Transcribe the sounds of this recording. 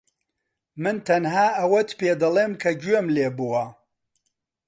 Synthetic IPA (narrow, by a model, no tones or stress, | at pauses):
mɨnt̪ʰɐnɦaːʔɐwɐt̪peːd̪ɐleːmkʰɐd͡ʒɥemleːbuwɐ